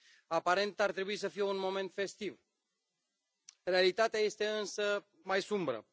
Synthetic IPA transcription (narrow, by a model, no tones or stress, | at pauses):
apaɾent̪art̪ɾebuis̬əfieunmoment̪fest̪iv | realit̪at̪eajest̪eɨnsə | majsumbɾə̰